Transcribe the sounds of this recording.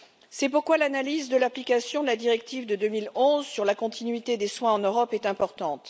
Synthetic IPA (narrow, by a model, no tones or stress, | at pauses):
sɛpuʁkwalanalizd̪əlaplikasjɔ̃d̪əlad̪iʁɛk̚t̪ivd̪əd̪ømilɔ̃zsyʁlakɔ̃t̪inɥit̪ed̪eswɛ̃ɑ̃nøʁɔpɛt̪ɛ̃pɔʁt̪ɑ̃t̪